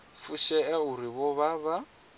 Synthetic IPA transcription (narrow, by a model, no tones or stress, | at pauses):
fuʃɛɛuɾiβɔβaβa